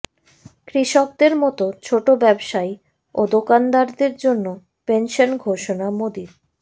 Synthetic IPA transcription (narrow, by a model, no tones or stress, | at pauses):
kɾiʃok̚d̪eɾmɔt̪ot͡ɕʰoʈobɛbʃai | od̪okand̪aɾd̪eɾd͡ʑonːo | penʃonɡʱoʃonamod̪iɾ